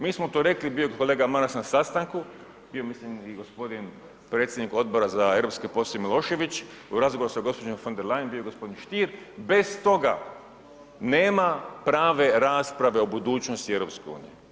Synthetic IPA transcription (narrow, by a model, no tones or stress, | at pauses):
miːsmot̪oːɾe̞klibijoko̞le̞ːɡamanasnasast̪aŋku | bijo̞mislimiɡo̞spo̞d̪in | pɾet̪sʲjed̪niko̞d̪̚bo̞ɾazae̞vɾopskepo̞sˠemilˠo̞ʃe̞ʋit͡ɕ | uɾazɡoʋoɾusaɡo̞spod͡ʒemfo̞nd̪eɾlˠajenbijoɡospo̞d̪inʃt̪iːɾbe̞st̪o̞ɡa̰ | neːmapɾaːʋe̞ɾaːspɾaʋe̞obud̪uːt͡ɕnost̪ieʋɾo̞pskeṵːnije